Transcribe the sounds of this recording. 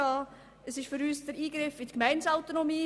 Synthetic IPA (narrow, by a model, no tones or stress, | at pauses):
ɑː | əsɪʃfʏɾyːsd̥əɾiːɡɾɪfɪt̪kmæɪnsaʊt̪onomiː